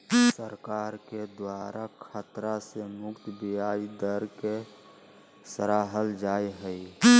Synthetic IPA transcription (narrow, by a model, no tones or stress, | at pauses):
səɾkaɾked̪waɾʔakʰat̪ɾasemʊkt̪bijaid̪əɾke | səɾaːɦəld͡ʒajɦəi